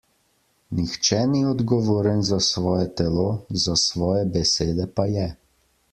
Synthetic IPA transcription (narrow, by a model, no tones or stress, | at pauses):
nixt͡ʃɛniɔd̪ɡɔʋoːɾənzasʋɔːjɛt̪ɛlozasʋɔːjɛbɛseːd̪ɛpajɛ